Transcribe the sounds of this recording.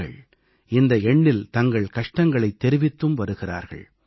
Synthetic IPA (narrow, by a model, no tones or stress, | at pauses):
ɐ̰ɭ | ɪnd̪ɐɛɳːɪlt̪ɐŋɡɐɭkɐʂʈɐŋɡɐɭɐɪt̪ːɛɾɪʋɪt̪ːɯmʋɐɾɯɣɪra̰ːɾɣɐ̰ɭ